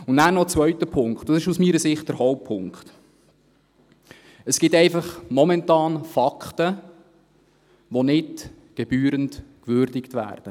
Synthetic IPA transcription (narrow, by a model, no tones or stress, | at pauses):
ʊnnæːnɔt͡sʋvœɥtəpʰʊŋkχt̚d̥ɑsɪʃusmiːɾəsɪχt̚d̥əɾhɔʊp̚pʰːʊŋkχt | əsɡ̥ɪt̪ɛɪfɑχmɔmɛntɑːnfɑkχtə | ʋonɪt | ɡ̥eb̥yːɾəntkʋʏɾdɪkt̪ʋæ̰ːrd̥ə